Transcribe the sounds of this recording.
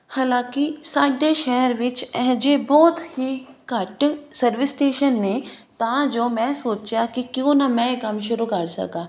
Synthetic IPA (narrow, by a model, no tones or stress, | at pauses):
haːlãːkisaːʈɖeːʃɛɦɾʋɪt͡ʃɛɦd͡ʒebɔːt̪ʰhikaːʈsɐɾʋɪsʈeːʃənːe | t̪aːd͡ʒoːmɛ̃ːsoːt͡ʃjakikjõːnɐmɛ̃ekɐmʃ̬ʊɾukɐɾsɐ̰kaː